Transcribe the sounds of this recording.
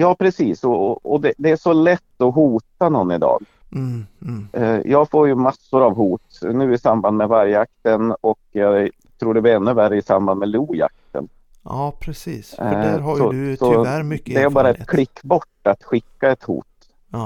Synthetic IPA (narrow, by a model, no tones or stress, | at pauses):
jɑːpʰɾɛsiːsɔɔd̪ɛd̪ɛæʂɔlɛt̪ːɔɦuːt̪anɔnːɪd̪ɑ̰ːɡ | jʔɑːɡfoːɾjɵmasːʊɾavɦuːt̪nʉ̟ːɪsamband̪mɛvaɾjəak̚t̪ənɔkjɑ | t̪ʰɾuːɖɛbɪɾɛnːɵværəɪsamband̪mɛluːja̰k̚t̪ə̰nː | pʰɾɛsiːshsɔsɔd̪ɛæɾbɑːɾaɛt̪kʰlɪkːbɔʈːat̪ɧɪkːaɛt̪hṵːt̪